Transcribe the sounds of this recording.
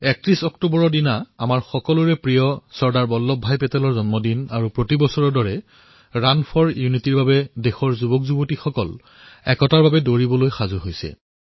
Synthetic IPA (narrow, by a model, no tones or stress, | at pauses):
ɛk̚tɹisɔktubɔɹɔdinaa̰maɹxɔkɔluɹɛpɹijɔsɔɹdaɹbɔlːɔbʱːajpɛtɛlɔɹzɔnmɔdinaɹupɹotibɔsɔɹɔdɔɹɛ | ɹanpʰɔɹjunitiɹbabɛdexɔɹzubɔkzubotixɔkɔl | ɛ̰kɔtaɹbabɛdoɹibɔlojxazuɦojsɛ̰